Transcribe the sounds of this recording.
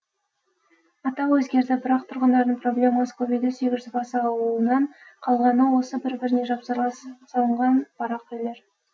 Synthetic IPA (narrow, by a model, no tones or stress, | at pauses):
ɑt̪ɑwɵzɡʲe̞ɾd̪ɪbʊɾɑqt̪ʰʊɾʁənd̪ɑɾd̪əɴpʰro̞blʲe̞mɑsə̥kʰovijd̪ɪse̞ɡʲɪzʒʏzbɑsəɑwəlˠənɑɴqʰɑlˠʁɑnəwo̞səbɪɾbɪɾɪne̞ʒɑpsɑɾˠɑsɑlˠəɴʁɑnb̥ɑɾɑqʏjle̞ɾ